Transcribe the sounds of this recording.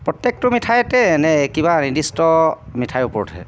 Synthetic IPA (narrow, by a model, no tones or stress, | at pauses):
pɹɔtjek̚tʊmitʰajɛtɛnɛkibanidistɔmitʰajʊpɔɹɔtʰɛ̰